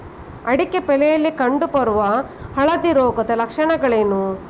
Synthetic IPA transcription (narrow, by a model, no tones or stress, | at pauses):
ɐɽikepɛlɛjɐlːikɐɳɖupɐɾuʋɐ | hɐɭɐd̪iɾoːɡɐt̪ɐlɐkʂɐɳɐɡɐɭeːnu